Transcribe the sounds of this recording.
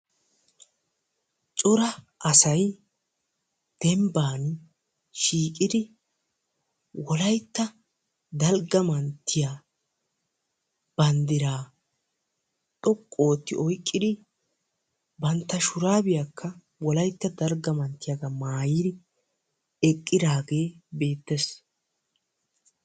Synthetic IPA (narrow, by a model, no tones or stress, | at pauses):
t͡ʃʼɔɾɐ | ʔɐsɐj | d̪̥ɛmbaːn | ʃiːkʼɪd̪ɪ | wɔlɐjt̪ːɐ | d̪ɐlɡɐmɐnt̪ʰːɪjaː | b̥ɐnd̪ɪɾaː | t̪ʼɔkʼːo̞ːt̪ːɪ̰ɔjkʼːɪd̪ɪ | bɐnt̪ːɐʃʊɾaːbɪjakʰːɐ | wɔlɐjt̪ːɐd̪ɐlɡɐmɐnt̪ːɪjaɡɐmaːjɪd̪ɪ | ɛkʼːɪd̪aːɡe̞ːbe̞ːt̪ːes